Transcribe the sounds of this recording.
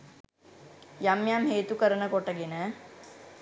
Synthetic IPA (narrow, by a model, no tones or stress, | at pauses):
jamjamɦeːt̪ukəɾənəkoʈəɡenə